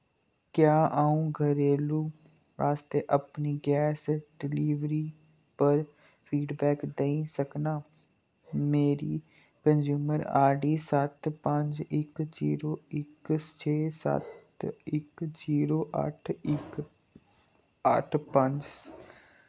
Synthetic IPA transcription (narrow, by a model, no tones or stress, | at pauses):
kjaːʔaːũɡʱəɾeːluː | ʋaːst̪eːʔəpniːɡɛːsɖɪliːʋɾiː | pəɾ | fʰiːɖbɛːkd̪eĩsəknaː | meːɾiː | kənzjuːməɾa̰ːɾɖiːsət̪pə̃ɲd͡ʒɪkziːɾoːɪkt͡ʃʰeːsə̰t̪ | ɪkziːɾoːʔə̰ʈʰɪk | ə̰ʈʰpə̃ɲd͡ʒ